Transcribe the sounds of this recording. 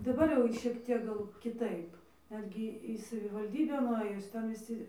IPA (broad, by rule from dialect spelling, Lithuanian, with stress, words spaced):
dɐˈbɐr jɛʊ ˈʃʲiɛk ˈtʲiɛk ˈɡɐlˠ kʲɪˈtɐɪp ˈnʲæːdʲɡʲɪ iː sɐʋʲɪʋɐlʲˈdʲiːbʲæː nʊˈɘjʊs ˈtʲɛn ʋʲɪˈsʲɪ